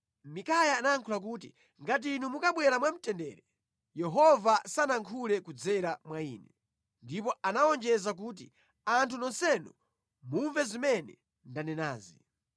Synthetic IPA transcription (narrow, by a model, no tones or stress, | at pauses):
mikajaːnaŋkʰulak̬uːt̬i | ŋɡat̬inumukaɓwɛɾamwam̩tɛndɛːɾɛ | jɛɦɔvasanaŋkʰulɛkud͡zɛɾamwaḭːnɛ | ndipɔanaɔnd͡ʒɛzak̬uːt̬ḭ | antʰunɔnsɛnu | muɱvɛzimɛnɛ | ndanɛna̰ːzi